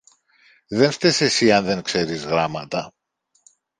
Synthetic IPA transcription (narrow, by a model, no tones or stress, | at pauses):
ðe̞nst̪esesiɐnðe̞ŋkse̞ɾizɣɾɐmɐt̪ɐ